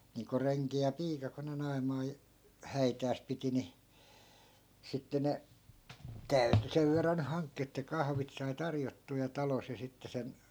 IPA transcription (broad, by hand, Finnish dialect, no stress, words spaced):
niːŋko reŋki jɑ piːkɑ ko ne nɑi̯mɑː hæitæːs piti ni sitːe ne tæyty seʋ ʋerːɑn ny hɑŋkːiː etːæ kɑhʋit sɑi tɑrjotːuː jɑ tɑlos jɑ sitːe sen